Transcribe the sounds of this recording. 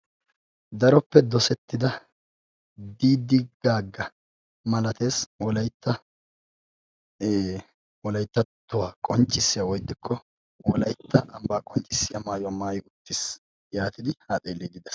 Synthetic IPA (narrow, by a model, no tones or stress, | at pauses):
d̪ɐɾɔpːɛd̪ɔsɛt̪ːɪd̪ɐ | d̪iːd̪ɪɡaːɡːɐ | mɐlɐt̪e̞ːswɔlɐjt̪ːɐ | wɔlɐjt̪ːɐt̪ːʊwaːkʼɔnt͡ʃʼːɪsːɪjawɔjd̪ːɪkʰːɔ | wɔlɐjt̪ːɐʔɐmbaːkʼɔnt͡ʃʼːɪsːɪjɐmaːjʊwamaːjʊt̪ːɪs | jaːt̪ɪd̪ɪhaːt̪ʼeːlːeːɡ̪ɪd̪ɛs